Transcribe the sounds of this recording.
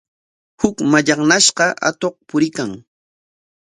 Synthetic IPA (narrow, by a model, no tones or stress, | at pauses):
hʊkmaʎɑχnaʃɢɑʔa̰t̪oχpʊɾɪkaŋ